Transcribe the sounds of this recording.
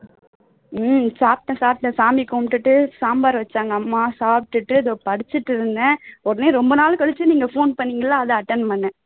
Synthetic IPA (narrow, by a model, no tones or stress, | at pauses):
saːp̚ʈːɐ̃saːplɐsaːmikoːmʈːɯʈːɯsaːmbaːɾʋɐt͡ʃːaːŋɡɐɐmːaːsaːp̚ʈɯʈːɯɐðõpɐɽɪt͡ʃːɯʈːɯɾɯnd̪ɛ̃ɔɾɐneːɾɔmbɐnaːlkɐɭɯt͡ʃːɯniːŋɡɐfoːnpɐɳːiːŋɡɐlːãːɐðɐɐʈːɐnpɐnːɛ̃